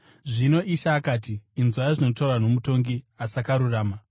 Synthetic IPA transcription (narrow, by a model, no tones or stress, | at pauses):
ʐino̞ʔiʃaːkaːtiːnzwaaʐino̞tarwanomuto̞ŋɡi | asakaɾuraːma